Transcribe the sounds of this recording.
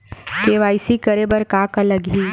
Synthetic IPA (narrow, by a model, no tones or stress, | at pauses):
keʋaːɪsikəɾebəɾkaːkaləɡɦiː